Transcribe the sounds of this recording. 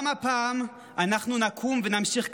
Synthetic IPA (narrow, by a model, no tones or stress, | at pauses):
mapaːm | anaχnunakʰumvenamʃiχk